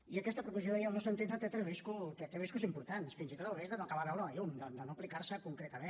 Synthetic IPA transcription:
iəkɛst̪əpɾukuzoðaialˠnɔsənt̪it̪d̪ət̪ɛt̪ɾeβiskut̪ɛt̪ɾɛβiskuzimpuɾt̪ansfinzit̪ot̪əlˠβezd̪ənokəβaɾanoajund̪əd̪ənoplikaɾsəkuŋkɾet̪əmen

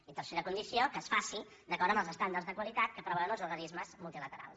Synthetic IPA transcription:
it̪ərseɾəkunisiokəːsfasi | d̪əkɔɾəmbəlˠzəst̪and̪ərzðəkwəlit̪at̪kəpɾəβɛənəlˠzuɾɣənizməzmulˠt̪ilət̪əɾa̰lˠs

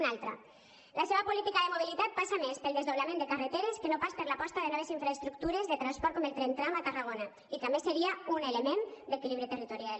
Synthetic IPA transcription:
nalˠt̪ɾa̰ | laseβ̞apulit̪ikaðemoβ̞ilit̪at̪̚pasamespelˠd̪ezðoβlamẽnd̪ekaret̪eɾeskenopaspeɾlapɔst̪aðenɔβ̞eziɱfɾaest̪ɾuk̚t̪uɾezðet̪ɾanspɔɾt̪̚kɔmelt̪ɾent̪ɾamat̪araɣ̞ona | it̪ambeseɾiaunelemend̪ekiliβɾit̪erit̪uɾijal

